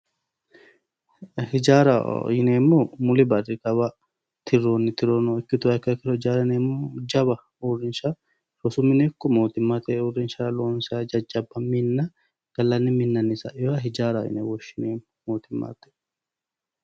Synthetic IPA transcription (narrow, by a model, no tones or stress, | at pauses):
hɪd͡ʒaːɾɐ̰ɪneːmːomʊlɪbɐrːɪkɐba | t̪ʰɪɾoːnːɪt̪ɪɾoːnɔɔkːɪt̪ʊɐkːɐkɪɾɔɪd͡ʒaːɾɐneːmːod͡ʒɐbɐ | ʊrːɪnʃa | ɾɔsʊmːɪnekːɔmoːt̪ɪmːaːt̪ɛʔʊrːɪnʃaːloːnsad͡ʒɐd͡ʒɐbːɐmɪnːɐ | ɡ̥ɐlːɐnːɪmɪnːɐnɪsɐ̰jɔɐɦɪd͡ʒaːɾajɪ̰nḛwɔʃːɪneːm | moːt̪ɪmːa̰ːt̪ɛʔ